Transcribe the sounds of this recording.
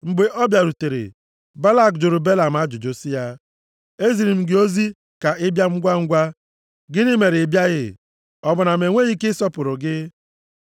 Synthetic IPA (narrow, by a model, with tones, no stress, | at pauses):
ŋ͡m̩˨ɡ͡be˨ʔɔ˦bja˨ɾu˨te˨ɾḛ˨ | ba˦la˦˨kd͡ʒʊ˨ɾu˨be˦la˨m̩˨a˦d͡ʒʊ˨d͡ʒo˨si˦ja˦ | e˦zi˨ɾi˨m̩˦ɡɪ˦o˦zi˦ | ka˨ɪ˦bja˦ŋ͡m̩˦ɡʷa˦ŋ̩˦ɡʷa˦ | ɡɪ˦nɪ˦me˨ɾɪ˨bja˦ɣɪ̰˦ | ɔ˦bʊ˨na˨me˨ŋʷe˦ɣi˦kɪ˦sɔ˦pʊ˨ɾʊ˨ɡɪ˦